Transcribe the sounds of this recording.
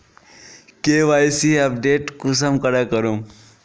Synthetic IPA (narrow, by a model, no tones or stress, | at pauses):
keːʋaːjsiɐp̚ɖeːʈkus̬əmkəɽakəɾum